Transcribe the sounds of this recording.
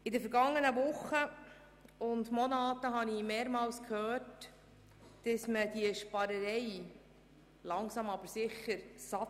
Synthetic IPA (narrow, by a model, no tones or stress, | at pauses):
ɪdəfəɾɡɑŋːənəʋʊχːə | ʊndmɔnɑːtəɦɑnimeːɾmɑːlskʰhœːt | d̥əsməd̥iəʃpɑɾəɾɛɪ | lɑŋsɑmɑbəɾsɪχːəɾsɑ